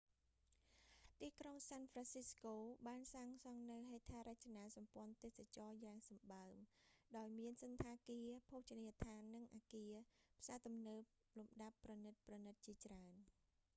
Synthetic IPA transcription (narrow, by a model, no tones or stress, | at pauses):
t̪iːkroŋsaːnfransiskoːɓaːnsaːŋsɑŋnɨwɦeːt̪ʰaːɾac̚t͡ɕanaːsɑmpŏənt̪eːsat͡ɕɑːjaːŋsɑmɓaəmɗaɔjmiənsɨnt̪ʰaːkiəpʰoːht͡ɕanit̪ʰaːnːɨŋʔaːkiəpʰsaːt̪umnəːp | lumɗapːrɑnɨt̪̚prɑnɨt̪̚t͡ɕiət͡ɕraən